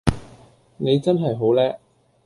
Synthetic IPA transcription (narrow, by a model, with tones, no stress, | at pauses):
ne˨˧jt͡sɐ˥nɦɐ˨jɦo˨˥wlɛː˥k̚